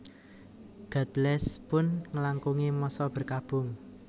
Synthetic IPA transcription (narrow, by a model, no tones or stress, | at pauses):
ɡ̥a̤t̪̚blɛspʊnŋəlaŋkuŋimɔsɔb̥ə̤rkab̥ʊ̤ŋ